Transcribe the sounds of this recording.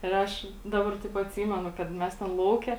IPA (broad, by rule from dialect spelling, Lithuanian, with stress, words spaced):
ɪr ˈɐʃ ˈdɑːbɐr tɐɪp ɐtʲˈsʲiːmʲɛnʊ kɐt ˈmʲɛs tʲɛn ˈlˠɐʊkʲɛ